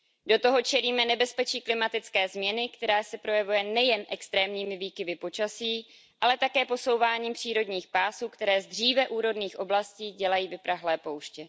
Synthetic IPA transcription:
do̞t̪o̞ɦo̞t͡ʃɛliːmɛnɛbɛspɛt͡ʃiːklɪmat̪ɪt͡skɛːzmɲɛnɪkt̪ɛɾaːsɛpɾo̞jɛvujɛnɛjɛnʔɛkst̪ɾɛːmɲiːmɪviːkɪvɪpo̞t͡ʃasiː | ʔalɛt̪akɛːpo̞so̞wvaːɲiːmpr̝̥iːɾo̞dɲiːxpaːsuːkt̪ɛɾɛːzd̪r̝iːvɛʔuːɾo̞dniːxʔo̞blasciːɟɛlajiːvɪpɾaɦlɛːpo̞wʃcɛ

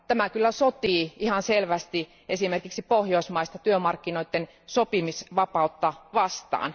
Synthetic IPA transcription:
t̪æmækylːæsot̪iːihɑnselʋæst̪i | ʔesimerkiksipohjoismɑist̪ɑt̪yømɑrkːinoit̪ːen | sopimisʋɑpɑut̪ːɑʋɑst̪ɑ̰ːn

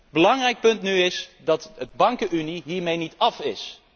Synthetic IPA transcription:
bəlɑŋrɛjk̚pɵntnyɪsdɑtəd̚bɑŋkəʔyniɦiːɹmejnitɑfɪs

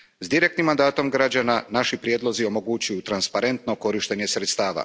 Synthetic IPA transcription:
zd̪iɾek̚t̪nimːand̪aːt̪o̞mɡɾad͡ʑananaʃipɾjeːd̪lˠo̞zio̞mo̞ɡut͡ɕujut̪ɾanspaɾe̞nt̪no̞ko̞ɾiʃt̪e̞ɲe̞sɾe̞t̪st̪aːʋa̰

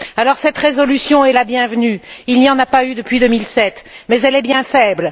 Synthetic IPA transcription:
alɔʁsɛt̪ʁezɔlysjɔ̃ɛlabjɛ̃vnyilnijɑ̃napayd̪əpɥid̪əmilsɛt̪mɛzɛlɛbjɛ̃fɛbl

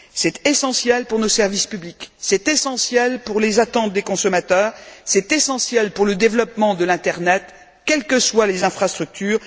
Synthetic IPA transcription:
sɛt̪esɑ̃sjɛlpuʁnosɛʁvispybliksɛt̪esɑ̃sjɛlpuʁlezat̪ɑ̃t̪̚d̪ekɔ̃sɔmat̪œːʁsɛt̪esɑ̃sjɛlpuʁləd̪evlɔpmɑ̃d̪əlɛ̃t̪ɛʁnɛt̪ | kʲɛlkəswalezɛ̃fχast̪χyk̚t̪yːʁ

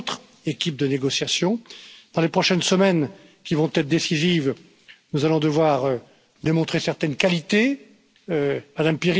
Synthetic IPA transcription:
t̪χ | ekʲip̚d̪əneɡɔsjasjɔ̃d̪̥ɑ̃lepχɔʃɛnsəmɛn | kʲivɔ̃t̪ɛt̪χd̪esiziv | nuzalɔ̃d̪əvwaʁø | d̪emɔ̃t̪χesɛʁt̪ɛnkalit̪e | ømad̪ampiʁ

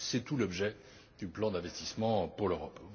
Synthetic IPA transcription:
sɛt̪ulɔbʒɛ | d̪̥yplɑ̃d̪ɛ̃vɛst̪ismɑ̃puʁløʁɔp

